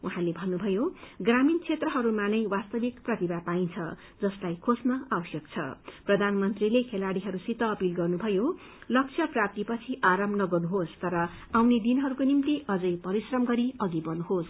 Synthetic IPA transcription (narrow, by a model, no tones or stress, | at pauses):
uɦãlebʱʌnːubʱʌjoɡramint͡sʰet̪rʌɦʌɾumanʌjwast̪ʌbikprʌt̪ibapaint͡sʰʌ | d͡zʌslajkʰosnʌawʌsjʌkt͡sʰʌ̰prʌd̪ʱanmʌnt̪rilekʰelaɽiɦʌɾusit̪ʌːpilɡʌrnubʱʌjo | lʌk̚t͡sʰʌprap̚t̪ipʌt͡sʰiʔaɾʌmnʌɡʌrnuɦost̪ʌɾʌ | awned̪inɦʌɾukonimt̪iʔʌd͡zʌjpʌɾisrʌmɡʌɾiʌɡibʌnuɦos